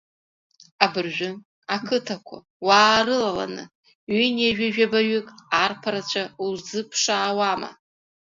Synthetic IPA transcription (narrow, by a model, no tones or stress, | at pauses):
abɨrʒᶣʊn | akʰɨtʰakʷʰa̰ | waːrɨlala̰nɨ̰ | ɥinaʒᶣaʒᶣabaɥʏkʼarpʰaɾat͡ʃʷʰaulzɨpʰʂaːwama̰